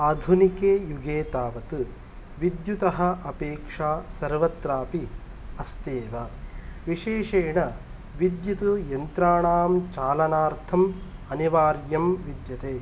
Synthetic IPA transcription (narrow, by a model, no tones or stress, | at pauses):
aːd̪ʱunikeːjuɡeːt̪aːʋɐt̪ɨ | ʋid̪jut̪ɐɦɐ̆ʔɐpeːkʂaːsɐɾʋɐt̪ɾaːpi | ɐst̪eːʋɐʋiʃeːʂeːɳɐ | ʋid̪jit̪ujɐnt̪ɾaːɳaːmt͡ʃaːlɐnaːɾt̪ʰɐmɐniʋaːɾjɐmʋid̪jɐt̪eː